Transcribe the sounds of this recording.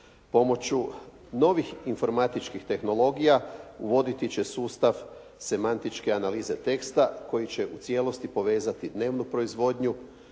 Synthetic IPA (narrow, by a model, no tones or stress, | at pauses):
po̞mo̞t͡ɕu | no̞ʋixinfo̞ɾmat̪it͡ʃkixt̪e̞xno̞lˠo̞ɡijauʋo̞d̪it̪it͡ɕe̞suːst̪aʋ | se̞mant̪it͡ʃke̞analiːze̞t̪e̞kst̪ako̞jit͡ɕe̞ʔut̪sje̞lo̞st̪ipo̞ʋe̞ːzat̪id̪ne̞ːʋnupɾo̞izʋo̞d̪ɲu